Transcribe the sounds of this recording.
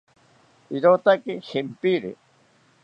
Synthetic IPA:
iɾot̪akehempiɾḛ

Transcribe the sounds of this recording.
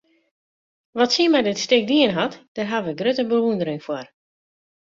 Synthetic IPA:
ʋɔtsiəmɛjdɪtstɪk̚diənɦatd̥ərɦaʋəɡrøtəbəʋundəɾɪŋfwɔr

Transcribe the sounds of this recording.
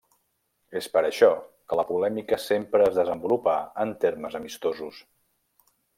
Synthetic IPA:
espəɾəʃɔkələpulɛmikəsempɾəəzðəzəmbulupaənt̪eɾməzəmist̪ozus

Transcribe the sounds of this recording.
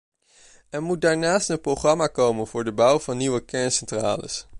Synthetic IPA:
ɛnmut̚daːɹnaːstənprowχrɑmaːkowmənvʊːɹdəbʌwvɑnːiwəkɛɹnsɛntra̰ːlə̰s

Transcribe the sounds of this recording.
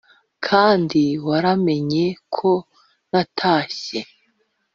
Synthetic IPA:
kʰaːndiwaɾame̞ɲe̞kʰo | natʰaːɕe

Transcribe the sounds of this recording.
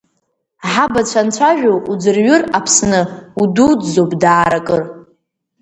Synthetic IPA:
ħabat͡ɕʷʰant͡ɕʷʰaʒᶣoʔud͡zɨrɥʊrapʰsnɨududzobʼdaːɾakʼɨr

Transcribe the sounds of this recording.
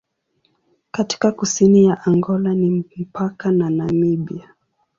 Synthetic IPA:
kati̥kakusinijaʔaŋɡɔlanim̩pakananamiɓia

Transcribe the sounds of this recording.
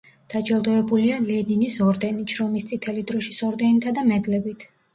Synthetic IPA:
d̪̥ad͡ʒɛlˠd̪ɔɛbulialɛninisɔɾd̪ɛnit͡ʃʰɾɔmist̪sʼit̪ʰɛlid̪ɾɔʃisɔɾd̪ɛnit̪ʰad̪amɛd̪lɛbit̪ʰ

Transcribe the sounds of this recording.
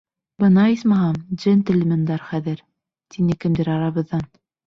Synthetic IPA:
bɤ̆nɑismɑɦɑd̪ʒɘnt̪ɘ̆lmɘ̆nd̪ɑɾχæðɘɾ | t̪inɘkɘ̆md̪ɘɾɑɾɑβɤ̆ðːɑn

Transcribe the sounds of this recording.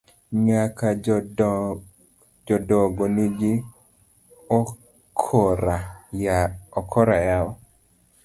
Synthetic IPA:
ɲaka | d͡ʒɔdɔɡoniɡi | ɔ | kʰɔɾaaɔkʰɔɾajaɔ

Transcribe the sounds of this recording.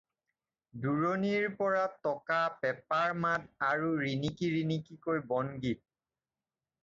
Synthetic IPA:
duɹoniɹpɔɹatɔkapɛpaɹmataɹuɹinikiɹinikikojbɔnɡit̚

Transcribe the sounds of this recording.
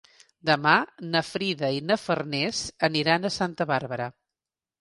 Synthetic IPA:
d̪əmanəfɾiðəinəfərnɛzəniɾanəsant̪əβaɾβəɾə

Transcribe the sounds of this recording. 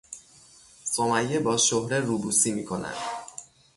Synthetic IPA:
somæjːebɒːʃohɾeɾuːbuːsiːmiːkʰonæ̰nd̪̥

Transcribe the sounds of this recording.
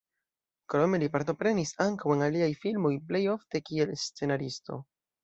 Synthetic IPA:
kɾo̞me̞lipaɾt̬o̞pɾe̞nisaŋkawe̞naliajfilmo̞jp̬le̞jo̞fte̞kie̞lst͡se̞naɾisto̞̰

